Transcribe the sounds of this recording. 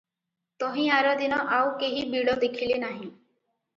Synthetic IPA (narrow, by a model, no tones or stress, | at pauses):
t̪ɔɦĩaɾɔd̪inɔʔawkeɦibiɽɔd̪ekʰilenaɦĩ